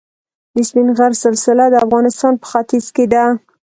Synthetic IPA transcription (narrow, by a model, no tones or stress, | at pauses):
bɪsminɣaɾsɪlsɪlad̪əafɣɑnɪst̪ɑnpə̥xat̪izked̪a